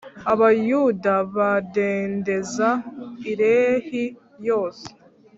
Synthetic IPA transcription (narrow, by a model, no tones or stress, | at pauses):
aβajudaβadeːnde̞zaiɾe̞ːhi | jo̞ːse̥